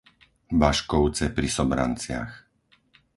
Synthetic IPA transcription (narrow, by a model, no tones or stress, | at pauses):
baʃkɔʊt͡sɛpɾisɔbɾa̰nt͡sɪa̰x